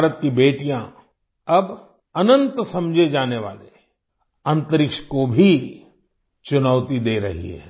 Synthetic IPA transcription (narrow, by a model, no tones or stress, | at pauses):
ɾət̪kibeːʈijã | ɐb | ɐnə̃nt̪sɐ̃md͡ʒʱed͡ʒaːneʋaːle | ɐ̃nt̪əɾɪkʃkobʱi | t͡ʃʊnəːʋt̪id̪eːɾɐ̰ɦḭɦɛ̰ː